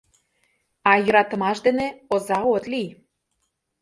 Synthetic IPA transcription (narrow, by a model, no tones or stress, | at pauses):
ɑjə̆ɾɑt̪ə̆mɑʃd̪eneozɑot̪li